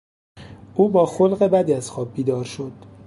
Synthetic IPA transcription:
ʔuːbɒːxolɢe̞bæd̪iːæz̥xɒːb̚biːd̪ɒːɾʃo̞d̪̥

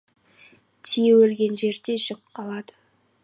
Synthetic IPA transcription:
t̪ʰijewɵlɡʲe̞nʒe̞ɾd̪e̞ʒʊqʰːɑlˠɑd̪ə

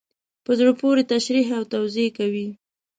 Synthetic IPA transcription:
pəzɽopoɾet̪aʃɾiɦawt̪awzekawi

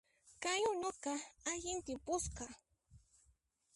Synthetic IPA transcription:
kajʊnokɑaʎɪnt̪ɪpʊsqɑ

